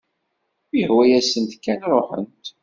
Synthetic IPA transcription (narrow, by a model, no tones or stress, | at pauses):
ihwæjæsənt̪kːænɾˤoħə̰nt̪